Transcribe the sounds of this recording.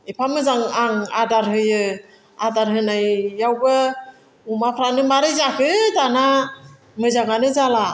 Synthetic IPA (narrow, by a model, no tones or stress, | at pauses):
epʰamɯzaŋaŋadaɾɦɯjɯ | adaɾɦɯnajːawbɯ | umapʰɾanɯmaɾɯjzakʰɯdana | mɯzaŋanɯzala